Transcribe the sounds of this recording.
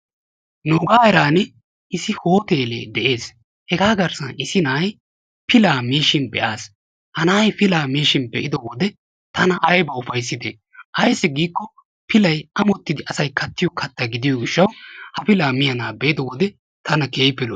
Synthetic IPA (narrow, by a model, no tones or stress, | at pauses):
noːɡaːɛɾaːnɛ | ʔɪsɪho̞ːt̪e̞ːlḛːd̪ɛʔe̞ːs | hɛɡaːɡɐɾsɐnɪsɪnaːj | pɪlaːmeːʃɪnbɛ̰ʔaːs | hɐnaːjpɪlaːmeːʃɪnbɛʔɪd̪ɔwɔd̪ɛ | t̪ɐnɐʔɐjbɐʊfɐjsːɪd̪ɛ | hɐjsːɪɡiːkːɔ | pʰɪlɐjɐmɔt̪ːɪd̪ɪʔɐsɐjkʰɐt̪ːɪjɔkʰɐt̪ːɐɡɪd̪ɪjɔɡɪʃːɐwhɐpɪlaːmɪjɐnaːbɛɪd̪ɔwɔd̪ɛ | t̪ʰɐnɐkeːpːɪlɔ